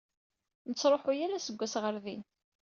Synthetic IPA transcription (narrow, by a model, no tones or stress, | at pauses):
nət͡sːɾˤoħʊjæɾæsəɡʷːæsʁəɾðin